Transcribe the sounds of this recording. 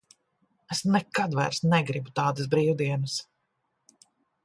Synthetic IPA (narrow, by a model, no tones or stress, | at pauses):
esnɛkad̪væ̰jɾsnɛɡɾibut̪aːd̪ɐsbɾiːwd̪iɛnɐs